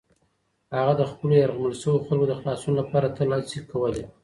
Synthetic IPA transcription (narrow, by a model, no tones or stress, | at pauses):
haɣad̪əxpəlojaɾɣaməlʃəwoxalkod̪əxlɑsunolapɑɾat̪əlɑsikːawəle